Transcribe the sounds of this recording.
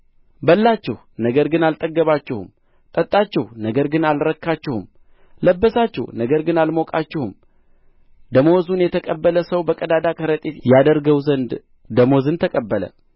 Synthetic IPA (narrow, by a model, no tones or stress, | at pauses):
bəlːat͡ʃːɛh | nəɡəɾɡɨnalt̪ʼəɡːəβat͡ʃːɛhṵm | t̪ʼət̪ʼːat͡ʃːɛhnəɡəɾɡɨnalɾəkʰːat͡ʃːɛhṵm | ləbːəsat͡ʃːɛ̰hnəɡəɾɡɨnalmokʼat͡ʃːɛhum | d̪əmozunjɛt̪ʰəkʼəbːələsəwbəkʼəd̪ad̪akʰəɾət̪ʼet̪jad̪əɾɡəwzənd̪ | d̪əmozɨnt̪ʰəkʼəbːələ̰